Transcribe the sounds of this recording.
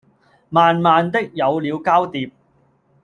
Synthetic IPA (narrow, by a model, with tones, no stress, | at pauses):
maː˨nmaː˨nt̪ɪ˥k̚jɐ˨˧wliː˨˧wkaː˥wt̪iː˨p̚